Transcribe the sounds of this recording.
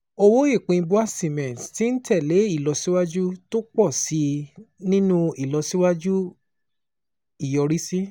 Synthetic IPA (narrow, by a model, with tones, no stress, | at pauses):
o˧wo˦e˦˨k͡pĩ˧bu˦a˦˨sĩ˨mɛ̃˨tti˦n̩˦tʰɛ˦˨le˨˦i˦˨lɔ˧si˦wa˦d͡ʒu˦to˦k͡pɔ˦˨si˨˦nĩ˦nũ˦i˦˨lɔ˧si˦wa˦d͡ʒu˦ | i˨jɔ˧ɾi˦si˦